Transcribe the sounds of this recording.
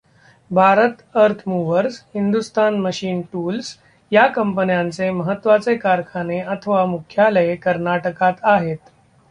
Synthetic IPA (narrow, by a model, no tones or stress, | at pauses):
bʱaɾət̪əɾt̪ʰmuʋəɾshind̪ust̪anməɕiːnʈuːls | jakəmpənjãnt͡seməɦət̪ːʋat͡sekaɾkʰaneət̪ʰəʋamukʰjaləekəɾnaʈəkat̪aɦet̪